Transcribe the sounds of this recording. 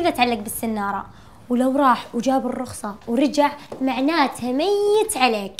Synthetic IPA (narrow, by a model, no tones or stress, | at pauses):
ðʔat̪ʕalːaɡ̚bɪsːɪnːɑːɾˤɑ̰ | wlawɾˤɑːħwd͡ʒaːbɪrˤːʊxsˤɑwɾˤɪd͡ʒaʕmaʕnaːt̪hamɪjɪt̪ʕaleːk